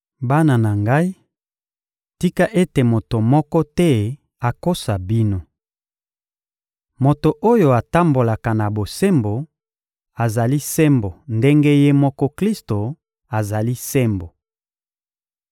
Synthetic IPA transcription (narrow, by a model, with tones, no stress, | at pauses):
ba˦na˨na˨ŋɡa˦i˦ | ti˦ka˦ʔe˦te˨mo˨to˨mɔ˦kɔ˦tɛ˦ | a˨ko˦sa˨bi˦no˦ | mo˨to˨ʔo˦jo˨a˨ta˦mbo˨la˨ka˨na˨bo˨se˦mbo˨ | a˨za˨li˦sɛ˦mbo˨nde˦ŋɡe˦je˦mɔ˦kɔ˦kli˦sto˨ | a˨za˨li˦sɛ˦mbo˨